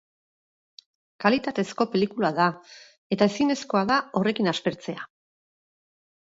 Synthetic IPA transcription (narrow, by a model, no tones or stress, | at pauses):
kalit̪at̪e̞sko̞pe̞likulaða | e̞t̪ae̞sine̞sko̞aðao̞re̞kinaspe̞ɾt͡se̞a